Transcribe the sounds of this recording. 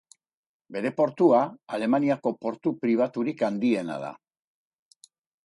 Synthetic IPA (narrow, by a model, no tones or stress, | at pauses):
be̞ɾe̞po̞ɾt̪uaale̞maniako̞po̞ɾt̪upɾiβ̞at̪uɾikand̪ie̞na̰ð̞a̰